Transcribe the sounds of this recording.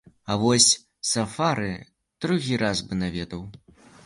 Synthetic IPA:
ɐvɔsʲ | safaɾɨ | d̪̥ɾuɣʲiɾazbɨnavʲɛt̪ɐw

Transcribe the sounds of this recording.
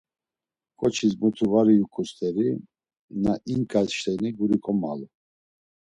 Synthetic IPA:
kʼɔt͡ʃʰismut̪ʰuvaɾiukʰʼust̪ʰʼɛɾi | naʔiŋkʼalʃt̪ʰɛniɡuɾikʼɔma̰lu

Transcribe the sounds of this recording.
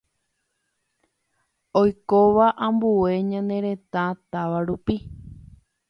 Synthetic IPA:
ojkoʋaʔãmbue̞ɲãnd̪ẽ̞ɾẽ̞t̪ãt̪aʋaɾupi

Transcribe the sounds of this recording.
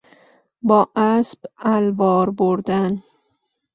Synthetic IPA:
bɒʔaspalbɒɾboɾd̪an

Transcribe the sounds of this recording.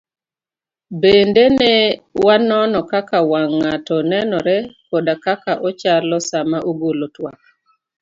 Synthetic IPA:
bendenɛwanɔnɔkakawaŋːatɔnɛnɔɾɛkɔdakakaʔɔt͡ʃalɔsamaʔoɡolotwa̰k̚

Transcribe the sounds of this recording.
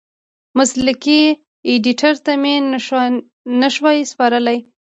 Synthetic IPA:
mʊslɪki | eɖiʈaɾt̪ame | nəʃwɑjspɑɾəlaj

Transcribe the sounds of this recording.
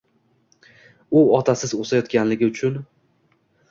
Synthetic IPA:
ʊɒt̪ʰasɪzosajɒt̪̚kʲanlɪɡʲɪʊt͡ʃʰʊn

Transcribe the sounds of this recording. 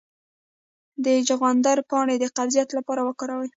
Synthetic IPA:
d̪əd͡ʒaɣɑnd̪aɾpɑɽed̪əqazijat̪lapɑɾawəkɑɾawəj

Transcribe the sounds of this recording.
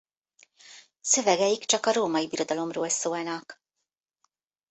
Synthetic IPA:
sø̞vɛɡɛjikt͡ʃɒkɒɾoːmɒjibiɾo̞d̪ɒlo̞mroːlsoːlnɒk

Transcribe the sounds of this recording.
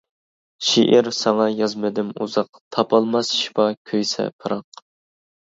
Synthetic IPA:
ʃḭʔiɾsɑŋɑjɑzmɪd̪ɪmṵzɑq̚t̪ʰɑpʰɑlˠmɑsʃi̥pɑkʲʰøjsɛ̰pʰɨɾɑq

